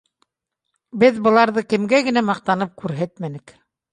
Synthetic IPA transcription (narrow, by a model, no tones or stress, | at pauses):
bɘðbɤ̆lˠɑɾðɤkɘ̆mɡæɡɘ̆næmɑq̚t̪ɑnɤp̚kʉɾɦæt̪mænɘ̆k